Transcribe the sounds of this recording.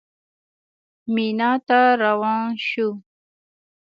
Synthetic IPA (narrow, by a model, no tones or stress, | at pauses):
minɑt̪aɾawɑnʃu